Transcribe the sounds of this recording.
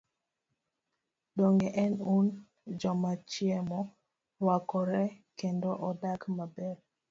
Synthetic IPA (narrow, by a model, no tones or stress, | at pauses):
dɔŋɡɛʔɛnun | d͡ʒɔmat͡ʃiɛmɔ | wakɔɾɛkendɔʔɔdakmabɛɾ